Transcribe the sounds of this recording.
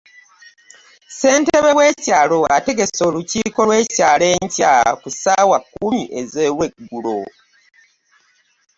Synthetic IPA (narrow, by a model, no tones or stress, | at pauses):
se̞ːnte̞βe̞we̞ːcaːlo̞ate̞ɡe̞so̞ːluciːko̞lwe̞ːcaːle̞ːɲcakusaːwakumiʔe̞zeweɡːulo̞̰